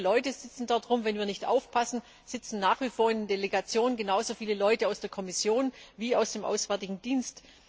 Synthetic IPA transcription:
lɔʏtəz̥ɪt͡sn̩dɔɐtʁ̥ʊmvɛnviːɐnɪçtʔa̰ʊfpʰasn̩ | z̥ɪt͡sn̩naːχv̥ifoːɐɪnɪndeleɡat͡sjoːnənɡənaʊzofiːləlɔʏtəaʊsd̥eːɐkʰɔmɪsjoːnviːaʊsd̥eːmʔa̰ʊsv̥ɛɐtɪɡŋ̩d̥iːnst

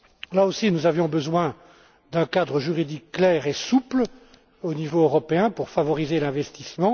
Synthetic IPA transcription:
laosinuzavjɔ̃bəzwɛ̃ | d̪ɛ̃kad̪ʁəʒyʁid̪ikːlɛːʁesupl | onivoøʁɔpeɛ̃puʁfavɔʁizelɛ̃vɛst̪ismɑ̃

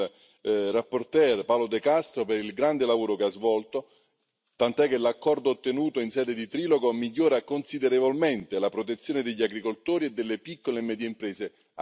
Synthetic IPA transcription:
rapːort̪ɛrpawlod̪ekast̪ɾopeɾilɡɾand̪elavoːɾokeazvɔlt̪o | t̪ant̪oɛkːelakːɔrd̪oːt̪ːenuːt̪oinsɛːd̪ed̪it̪ɾiːloɡomiʎːoːɾakonsid̪eɾevolment̪elapɾot̪̬et̪sːjoːned̪eʎːiaɡɾikolt̪oːɾied̪ːelːepikːolemɛːd̪jeimpɾɛːse

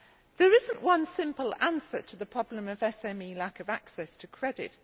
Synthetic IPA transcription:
ðəɹɪzə̃nʔwʌ̃nsɪ̃mpəlãnsətʰəðəpʰɹ̥ɒblə̃məvɛsɛ̃miːlakəvaksɛstʰəkʰɹ̥ɛdɪ̰t

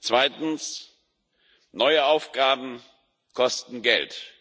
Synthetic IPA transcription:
t͡sv̥aɪtn̩s | nɔʏəaʊfɡ̥aːbm̩ | kʰɔstn̩ɡɛ̰lt

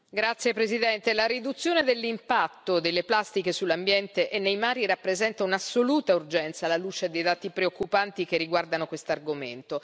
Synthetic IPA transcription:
ɡɾat̪sːjepɾezid̪ɛnt̪elaɾid̪ut̪sːjoːned̪elːimpat̪ːod̪elːeplast̪ikesulːambjɛnt̪eʔɛnːejmaːɾirapːɾezɛnt̪aunasːoluːt̪aurd͡ʒɛnt̪salaluːt͡ʃed̪ejd̪aːt̪ipɾeokːupant̪ik̟erːiɡward̪anokwest̪oarɡoment̪o

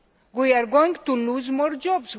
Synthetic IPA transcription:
ɡujaɾɡwaŋɡt̪ulːuzmɔɾd͡ʒɔbs

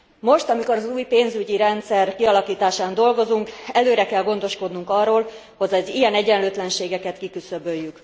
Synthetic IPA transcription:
mo̞ʃt̪ɒmiko̞ɾɒzuːjpeːnzyɟiɾɛnt̪sɛrkiɒlɒkiːt̪aːʃaːnd̪o̞lɡo̞zuŋkɛløːɾɛkɛlɡo̞nd̪o̞ʃko̞d̪nuŋkɒrːoːl | ho̞ɟɒzijɛnɛɟɛnløːt̪lɛnʃeːɡɛkɛt̪kikysøbøːjːyk

